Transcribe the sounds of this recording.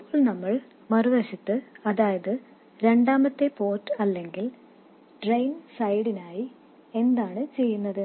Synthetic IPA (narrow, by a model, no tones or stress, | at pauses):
ɐɭnɐmːɐɭ | mɐruʋɐɕit̪ːɨɐðaːjɐðɨ | ɾe̞ɳɖaːmɐt̪ːepo̞ːtːɐlːe̞ŋɡil | ɖrejnsɐjɽinaːji | e̞nd̪aːɳɨt͡ɕe̞jːunːɐðɨ